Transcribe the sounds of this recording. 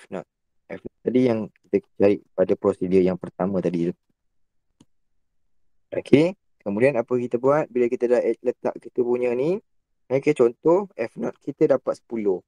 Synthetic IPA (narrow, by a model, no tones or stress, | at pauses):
fnɔ̰t̪̚ | ɛfnɔt̪t̪ːadijaŋkit̪əkt͡ʃaɾiʔpadapɾosidəjaŋpərt̪amə̃t̪adila | akʰe | kəmudianapəkit̪əbuat̪̚biləkit̪ədahɛt̪̚lət̪a̰ʔkit̪əpuɲə̃ni | mãkət͡ʃɔnt̪ɔhɛfnɔt̪̚kit̪ədapat̪sə̥pulʊh